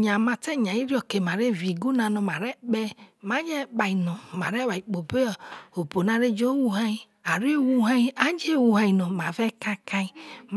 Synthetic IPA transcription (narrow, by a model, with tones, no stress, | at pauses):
ɲã˨mã˨tɛ˦˨ɲã˨i˦ɾi˦ɔ˨ke˨ma˨ɾe˦˨vi˨ɡu˦nã˧nɔ̃˧mã˨ɾɛ˦ɓɛ˦mã˦ɲɛ˦ɓa˨i˨nɔ̃˨mã̰˨ɾɛ˦wa˨i˨k͡po˨be˦ɔ˨o˨bo˨nã˨ɾe˦d͡ʒo˦wu˦ɦã˦i˦ | a˨ɾwu˦ɦã˦i˦a˨˦d͡ʒe˦˨wu˧ɦã˧i˨nɔ̃˨mã˨vɛ˦ka˦ka˧i˦m